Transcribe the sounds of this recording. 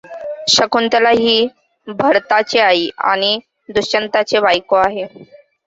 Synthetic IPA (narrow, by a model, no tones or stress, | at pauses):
ɕəkunt̪əlaɦiː | bʱəɾt̪at͡ɕeaiːa̰ɽ̃i | d̪ut͡ɕənt̪at͡sebajkoaɦe